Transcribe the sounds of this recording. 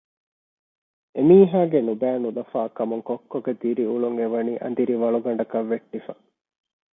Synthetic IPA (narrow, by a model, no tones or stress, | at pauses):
emiːɦaːɡenubæːnulɐfaːkɐmuŋkokːoɡed̪iɾiuɭuŋeʋɐniːʔɐ̰nd̪iɾiʋɐɭuɡɐɳɖɐkɐʋːeʈːifɐ